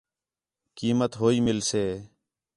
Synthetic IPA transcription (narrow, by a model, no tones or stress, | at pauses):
kiːmət̪ɦoːiːmɪlseː